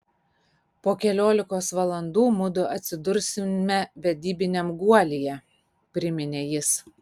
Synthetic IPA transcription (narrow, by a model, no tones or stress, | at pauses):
poːkʲɛlʲoːlʲɪkoːsʋɐlˠɐnd̪uːmʊd̪ʊʔɐt̪ʲsʲɪd̪ʊɾʲsʲɪmʲɛʋʲɛd̪ʲiːbʲɪnʲɛmɡuɔlʲijɛ | pʲɾʲɪmʲɪnʲeːjɪs